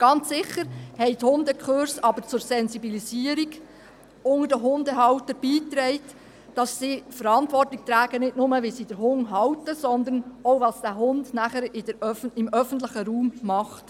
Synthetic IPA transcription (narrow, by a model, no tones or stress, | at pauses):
ɡ̥ɑnt͡ssɪχəɾhɛɪthʊndəkχøɾsɑbəɾt͡sʊɾsɛnsibiliziːəɾiɡ | ʊŋədəɦʊndəɦɑwtəb̥iːtɾɛɪt | d̥ɑsːiːfəɾɑntʋɔrtlɪk̚t̪ɾæːɡ̥ənɪtnʊməʋisid̥əɾɦʊŋɦɑwtəsɔnd̪ənoʊʋɑsd̥æːɦʊndnæχəɾɪdəɾœfɪmœfən̩t̬lɪχəɾuːmːɑχt